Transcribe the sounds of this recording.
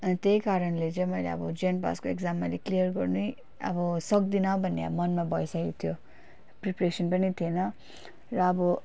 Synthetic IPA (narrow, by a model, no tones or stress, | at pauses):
ʌnit̪ejkaɾʌnlet͡sʌ̃ĩmʌjlḛʌ̰bʌd͡zenpa̰skoekd͡zamːaleklijʌrɡʌrnuj | ʌ̰bʌsʌk̚d̪inaw̃bʱʌnːḛʌ̰mʌnmabʌjsakit̪ʰjo | pripresʌnpʌnit̪ʰienʌ | rʌːbʌ